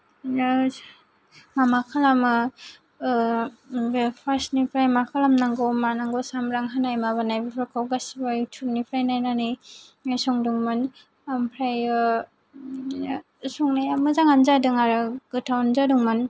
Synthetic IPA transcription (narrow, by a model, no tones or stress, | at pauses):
mamakʰalamɯ | pʰasnipʰɾajmakʰalamnaŋɡɔmanaŋɡɔsamɾaŋɦanajmaβanajbipʰaɾkʰawɡasbajutʰuɾnipʰɾajnajnanɯjsɔŋduŋmɯn | ampʰɾaj | sɔŋnajamɯzaŋanzadɯŋaɾɯɡ̥ɯtʰawnzaduŋman